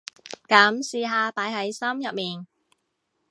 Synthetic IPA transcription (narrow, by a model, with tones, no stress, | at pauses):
kɐ˨˥msiː˧ɦaː˧paː˨˥jhɐ˨˥jsɐ˥mjɐ˨p̚miː˨˩n